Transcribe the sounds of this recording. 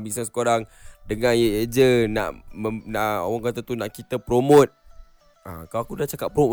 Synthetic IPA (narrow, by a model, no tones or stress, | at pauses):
bisansə̥koɾaŋdəŋãnjəed͡ʒəna̰ʔmənao̰waŋkat̪at̪unaʔkit̪əpɾomõt̪̚ | a̰kaloakudaht͡ʃakaʔ̚pɾomo